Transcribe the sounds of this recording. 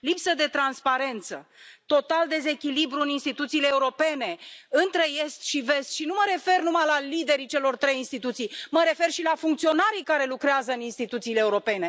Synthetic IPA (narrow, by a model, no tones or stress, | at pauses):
lipsəd̪e̞t̪ɾanspaɾe̞nt̪sə̰t̪o̞t̪ald̪e̞ze̞kʲilibɾuɨninst̪it̪ut̪siːleːuɾo̞pe̞ne̞ɨnt̪ɾe̞je̞st̪ʃive̞st̪ʃinuməɾe̞fe̞rnumajlalid̪e̞ɾit͡ʃe̞lo̞rt̪ɾe̞jinst̪it̪ut̪sijməɾe̞fe̞rʃilafuŋkt̪sio̞naɾikaɾe̞lukɾeazəɨninst̪it̪ut̪siːleːuɾo̞pe̞ne̞